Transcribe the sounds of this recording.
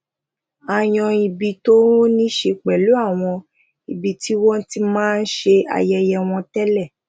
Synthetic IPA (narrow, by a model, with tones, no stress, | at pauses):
a˨j̃ɔ̃˧i˧bi˧to˦nĩ˦ʃe˧k͡pɛ˨lu˨˦a˦˨w̃ɔ̃˧ | i˨bi˧ti˦wɔ̃˦n˦ti˦mãː˦n̩˦ʃe˧a̰˨jɛ˧jɛ˧w̃ɔ̃˧tɛ˦lɛ˦˨